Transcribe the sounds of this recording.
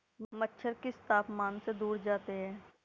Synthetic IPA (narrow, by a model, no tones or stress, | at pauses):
mətːʃʰəɾkest̪aːpmaːnsed̪uːɾd͡ʒaːt̪eɦɛ̃ː